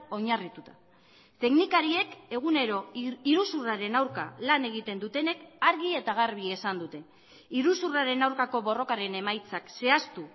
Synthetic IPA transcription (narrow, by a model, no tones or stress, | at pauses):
o̞ɲarit̪ut̪ḁ | t̪e̞ɣnikaɾie̞ke̞ɣ̞une̞ɾo̞iɾusuraɾe̞nawɾka̰lane̞ɣit̪e̞nd̪ut̪e̞ne̞kaɾɣie̞t̪aɣaɾβ̞ie̞sand̪ut̪e̞ | iɾusuraɾe̞nawɾkako̞βo̞ro̞kaɾe̞ne̞majt͡sakse̞ast̪u